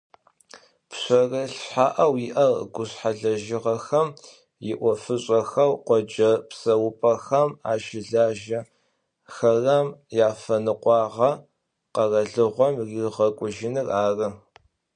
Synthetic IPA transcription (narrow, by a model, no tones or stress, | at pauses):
pɕʷɔrɐɬħaːʔɐwjɪʔɐrɡʷʊɕħaɮɐʒɪʁɐxɐm | jɪʔʷɔfɨɕʼɐxɐwqʷɔd͡ʒɐpsɐwʊpʼɐxɐma̰ːʃɪɮaːʒɐ | xɐrɐmjaːfɐnɨqʷʼɑːʁɐ | qɐrɐɮɨʁʷɔmriʁɐkʷʼʊʒɪnɨraːrɨ